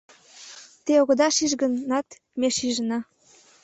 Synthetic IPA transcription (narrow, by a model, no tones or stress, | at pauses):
t̪eoɣŏd̪ɑʃiʒɣə̆nːɑt̪ | meʃiʒənɑ